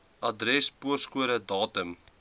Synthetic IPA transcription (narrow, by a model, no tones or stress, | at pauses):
ʔɐdɾɛspuəskuəɾədɑːtəm